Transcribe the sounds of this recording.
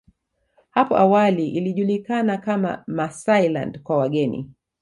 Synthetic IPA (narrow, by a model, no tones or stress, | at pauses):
hapɔʔawaliʔiliʄulikanakama̰masajla̰ndkwawaɠɛnḭ